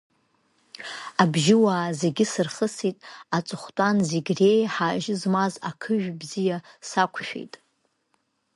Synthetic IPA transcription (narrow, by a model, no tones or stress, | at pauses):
abʒɪwaːze̞ɡʲɪsɨrχəsitʼat͡sʷʼɨχʷtʼanzeɡʲre̞jħaːʒɪzmazakʰɨʒᶣbzijasakʷʰʃᶣḛjtʼ